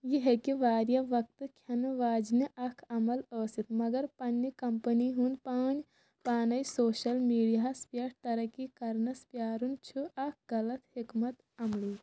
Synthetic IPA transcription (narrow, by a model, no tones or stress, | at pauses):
jiɦekiʋaːɾjɐʋɐk̚t̪ɨkʰɐnʋaːd͡ʒniʔɐkʰɐmɐlɐːsit̪mɐɡɐɾpɐnːikɐmpɐniɦund̪paːn | paːnɐjsoːʃɐlmiːɽijaspjɐʈ̚t̪ɐɾɐkikɐɾnɐspjaːɾunt͡ʃʰuʔɐk̚ʰɡɐlɐt̪hikmɐt̪ | ɐmɭiː